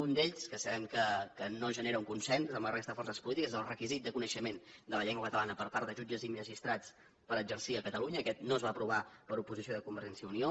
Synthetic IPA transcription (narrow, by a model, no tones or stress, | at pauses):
und̪eʎskəsəβɛmkəkənoʒəneɾəuŋkunsɛnzəmlərʔest̪əðəfɔrsəspulit̪ikəzðəlˠrəkizit̪̚d̪əkunəʃəmend̪ələʎɛŋɡwakət̪əlanəpəɾpaɾt̪d̪əʒud͡ʒəziməʒist̪ɾat͡s | pəɾəzəɾsiəkət̪əluɲəːkɛt̪noəzβaəpɾuβ̞apəɾupuzisioðəkumbəɾʒɛnsiəunio